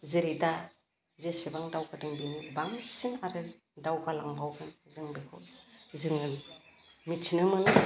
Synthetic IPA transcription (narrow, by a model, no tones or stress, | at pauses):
zeɾida | zesebaŋdawkadɯŋbinibaŋsinaɾɯ | dawkalaŋbawɡɯnzɯŋbekʰozɯŋɯn | mit͡ʃʰinɯmɯnɯ